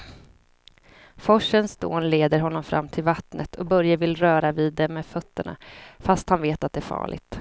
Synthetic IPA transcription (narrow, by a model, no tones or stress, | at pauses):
fɔʂənsd̪̥o̰ːnleːd̪əɾɦɔnːɔmfɾʔa̰mːt̪ʰɪlvat̪nət̪ʰɔbœɾjavɪlɾœːɾaviːd̪ːɛmeːd̪fœt̪ːəɳa̰fast̪hanveːt̪at̪̚d̪ɛːɾfɑ̰ːɭɪ̰ɡ̚t̪